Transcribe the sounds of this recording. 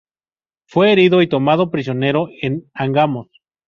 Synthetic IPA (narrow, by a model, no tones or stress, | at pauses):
fwe̞ːɾiðoit̪o̞mað̞o̞pɾis̬jo̞ne̞ɾo̞enaŋɡamos